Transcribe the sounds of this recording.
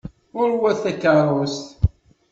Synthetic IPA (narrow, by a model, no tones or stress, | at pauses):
ʊɾwæθækəɾˤost̪